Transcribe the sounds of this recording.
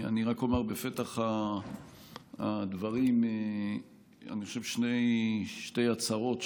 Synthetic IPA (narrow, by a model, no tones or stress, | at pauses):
a̰niʁakomaʁbefet̪aχa | ad̪vaʁime | a̰niχoʃevʃnejʃtejat͡saʁo̞t̪